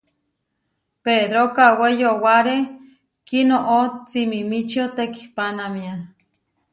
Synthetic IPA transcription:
ped̪ɾokawejowaɾe | kinoʔot͡simimit͡ʃiot̪ekipanamia

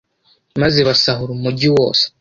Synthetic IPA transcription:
mazeβasaɦuɾumuɟiwo̞̰ːse̥

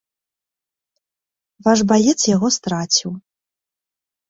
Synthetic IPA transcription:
vaʂbalʲɛt̪sjaɣɔst̪ɾat͡sʲiw

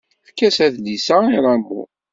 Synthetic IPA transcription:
fkːæsæðlisæiɾˤɑɡṵ

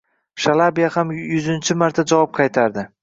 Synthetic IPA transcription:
ʃalˠabijahamjʊzɪnt͡ʃʰɪmaɾt̪ʰad͡ʒavɒp̚qʰɑjt̪ʰaɾd̪ɪ

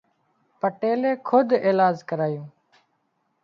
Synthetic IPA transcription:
pəʈeːleːkʰʊd̪ʱeːlaːd͡ʒkəɾaːjũː

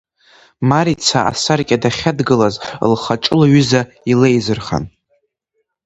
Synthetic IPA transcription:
maɾit͡sʰaa̰sarkʲʼadaχʲadɡɨlaz̰lχaʈ͡ʂʼɨlaɥʏza | ilejzɨrχa̰n

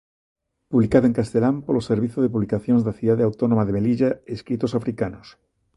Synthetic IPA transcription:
puβlikaðoeŋkast̪elampoloseɾβiθjoðepuβlikaθjonzðaθuðaðeawt̪onomaðemeliʎaeskɾit̪osafɾikanos

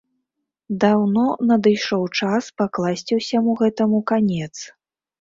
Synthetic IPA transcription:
d̪awnɔnɐd̪ɨjʂɔwt͡ʂaspaklˠasʲt͡sʲiwsʲamuɣɛt̪ɐmukanʲɛt̪s

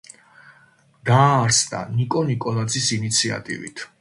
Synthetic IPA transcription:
d̪̥aːɾsd̪a̰nikʼɔnikʼɔlˠad̪zisinit̪sʰia̰t̪ʼḭvḭt̪ʰ

